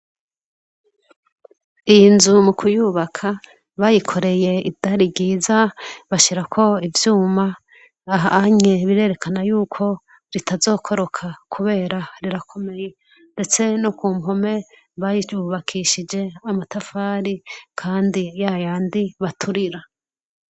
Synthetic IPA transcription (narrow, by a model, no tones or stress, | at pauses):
ijinzumukʰujuβakʰa | βajikʰo̞ɾe̞je̞idaɾibɟiːzaβaʃiɾakʰo̞ivjuːmaː | ɦaaɲeβiɾe̞ːɾe̞kanajuːkʰo̞ | ɾitazo̞ːkʰo̞ɾo̞kʰakʰuβe̞ːɾaɾiɾakʰo̞me̞je̞ | nde̞t͡se̞nokuːmɦo̞me̞ | βajiuβakʰiʃid͡ʒe̞amatafaːɾikʰaːndijajaːndiβatʰuɾiɾa